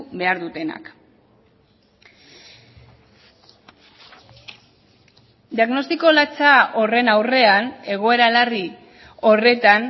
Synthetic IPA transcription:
βe̞aɾðut̪e̞na̰k | d̪iaɣno̞st̪iko̞lat͡sao̞re̞nawre̞ane̞ɣ̞o̞e̞ɾalari | o̞re̞t̪an

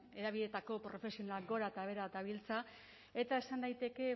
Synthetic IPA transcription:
e̞ðaβiðe̞t̪ako̞pɾo̞fe̞sio̞nalaɡo̞ɾat̪aβe̞ɾat̪aβ̞ilt͡sa | e̞t̪ae̞sand̪ajt̪e̞ke̞

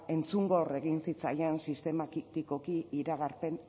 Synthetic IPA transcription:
e̞nt͡suŋɡore̞ɣinsit͡sajansist̪e̞makit̪iko̞kiiɾaɣ̞aɾpe̞n

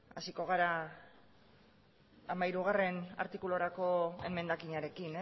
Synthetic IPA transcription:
a̰siko̞ɣ̞aɾa | amaiɾuɣ̞are̞na̰ɾt̪ikulo̞ɾako̞e̞̰me̞nd̪akiɲaɾe̞kine

